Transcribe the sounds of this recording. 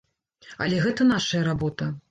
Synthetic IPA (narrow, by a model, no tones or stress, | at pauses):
ɐ̰lʲɛɣɛt̪ɐnaʂɐjɐɾabɔt̪ɐ